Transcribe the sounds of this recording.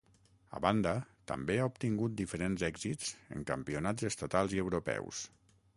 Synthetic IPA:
ə̰βand̪ət̪ə̰mbeaup̚t̪iŋɡut̪̚d̪ifəɾenzɛɡzit͡sə̰ŋkəmpiunazəst̪at̪alˠziəwɾupɛ̰ws

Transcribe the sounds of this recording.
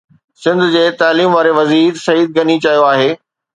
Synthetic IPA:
sɪ̃nd̪ʊ̆d͡ʑeːt̪aːliːmʋaːɾeʋɐziːɾsɐiːd̪̚ɡɐnit͡ɕɐijoaːɦeː

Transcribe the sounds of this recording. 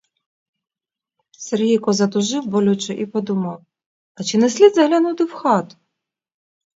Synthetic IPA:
serɦijkɔzɐt̪ʊʒɪwbɔlʲut͡ʃɛʔipɔd̪umɐw | ɐt͡ʃɪnesʲlʲid̪zɐɦlʲɐnut̪ɪwxɑt̪ʊ̥

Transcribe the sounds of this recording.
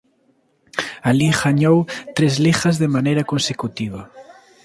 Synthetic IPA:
aliɣaɲowt̪ɾezlixazðemanejɾakonsekut̪iβ̞ɐ

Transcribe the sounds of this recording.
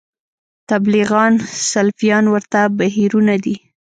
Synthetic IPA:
t̪abliɣɑnsalfijɑnwəɾt̪abaɦiɾunad̪i

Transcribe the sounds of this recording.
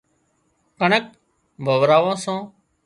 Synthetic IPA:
kəɳək̚ | bʱəʋɾaːʋãːsãː

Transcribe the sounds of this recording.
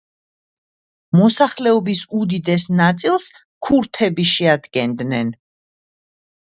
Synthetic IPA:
mɔsaχlɛɔbisud̪id̪ɛsnat̪sʼilˠs | kʰuɾt̪ʰɛbiʃɛad̪ɡɛnd̪nɛn

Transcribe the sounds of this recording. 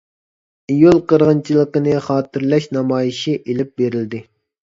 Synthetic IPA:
ijulˠqəɾʁənt͡ʃʰilˠəqənɨχɑːt̪ɪɾlɛʃnɑmɑːjiʃiʔelɪp̚beɾɪld̪ɪ

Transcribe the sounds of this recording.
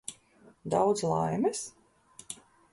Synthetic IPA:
d̪awd̪zlˠajmɛs

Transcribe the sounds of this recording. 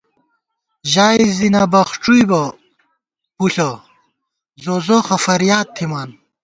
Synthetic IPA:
ʑaːizinɐbɐχʈ͡ʂujbɐ | puɬɐ | zozoxɐfɐɾijaːt̪ʰːimaːn

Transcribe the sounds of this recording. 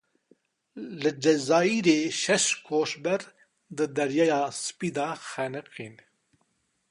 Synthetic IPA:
lɨd͡ʒɛzɑːiɾeːʃɛʃkʰoːʃbɛɾ | d̪ɨd̪ɛɾjɑːjɑːsɨ̥piːd̪ɑːxɛnɨqiːn

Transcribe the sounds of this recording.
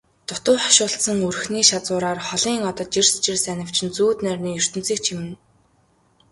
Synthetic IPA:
t̪ʊt̪ʊːχɔ̥ʃʊːɬsə̆ŋɵr̆xniːʃat͡sʊːɾaːrχɔɮiːŋɔt̪ɞ̆t̪̚t͡ɕirst͡ɕirsænʲə̆w̥t͡ɕʰɪ̆nt͡suːt̪nærʲniːjɵr̥t̪ɵ̆nt͡siːk̚t͡ɕʰimɘ̆n

